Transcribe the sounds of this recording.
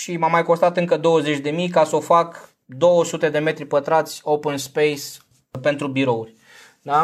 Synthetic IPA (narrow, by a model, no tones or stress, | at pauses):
ʃimamːajko̞st̪at̪ɨŋkəd̪o̞wəzet͡ʃʲd̪e̞mijkaso̞fak | d̪o̞wəsut̪e̞d̪e̞me̞t̪ɾʲipət̪ɾat̪sʲopənspejs | pe̞nt̪ɾubiɾo̞urʲ | d̪a